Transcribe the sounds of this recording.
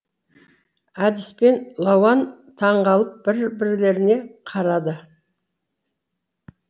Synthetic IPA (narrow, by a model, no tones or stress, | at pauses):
æd̪ɪspe̞nlˠɑwɑnt̪ʰɑɴʁɑlˠəp̚bɪɾbɪɾle̞ɾɪne̞qʰɑɾɑd̪ə